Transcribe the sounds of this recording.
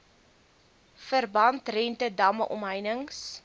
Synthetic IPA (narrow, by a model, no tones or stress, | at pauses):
fərbɐntrɛntədɐmə̰ʔɔ̰mɦəjnəŋs